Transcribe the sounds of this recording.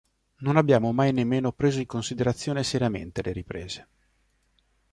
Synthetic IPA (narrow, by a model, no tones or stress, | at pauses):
nonabːjaːmomajnemːeːnopɾeːzoiŋkonsid̪eɾat̪sːjoːneseɾijamḛnt̪eleɾipɾeːz̥e